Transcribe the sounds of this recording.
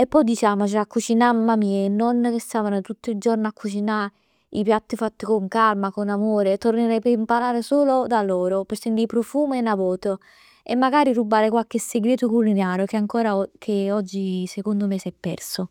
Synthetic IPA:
epːɔjd̪it͡ʃaːmot͡ʃiakːut͡ʃinamːamiːenːɔnːkest̪aːvanot̪ut̪ːoid͡ʒoɾnakʰːut͡ʃina | ipjat̪ːifat̪ːikoŋkalmakonamoːɾet̪orneɾɛpeimpaɾaːɾesoːlod̪alɔːɾopɪɾsent̪ipɾofuːmenːavɔːt̪o | emːaɡaːɾiɾubaːɾekwalkesːeɡɾeːt̪okulinaːɾjokeaŋkɔːɾakʰeɔd͡ʒːisekond̪omesɛpːɛ̰rso

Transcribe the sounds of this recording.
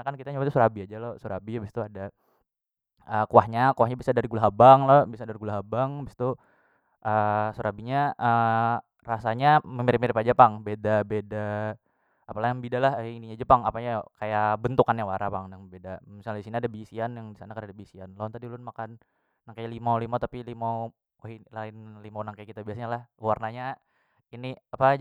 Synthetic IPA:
nakankit̪aɲabat̪usuɾabiad͡ʒalosuɾabibist̪uada | əkuahɲakuahɲabisadaɾiɡulaɦabaŋlobisaɲadaɾiɡulaɦabaŋbist̪u | ʔəsuɾabiɲaʔə | rasaɲaməmiɾɪp̚miɾɪpad͡ʒapaŋbedabeda | apalaŋbidalahiniɲad͡ʒəpaŋapaɲakajabənt̪ukanjawaɾapaŋdaŋbedamisalisiniadabisianjaŋdisanakanadabisianlant̪adilʊnmakanː | aŋkajlimalimat̪apilima | walaɪnlimanaŋkajkit̪abiasaɲalahwarnaɲa | iniapa

